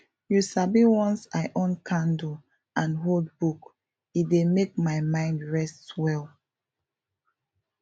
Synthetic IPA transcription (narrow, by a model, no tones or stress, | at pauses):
jusabiwɔ̃nsaɪʔõnkʰãndu | ʔãnɦold̚buk | it̚demek̚maɪmãɪ̃ndɹɛstwɛl